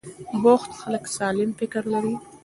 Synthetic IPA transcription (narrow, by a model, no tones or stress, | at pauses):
boxt̪xaləksɑlɪmfɪkəɾlaɾi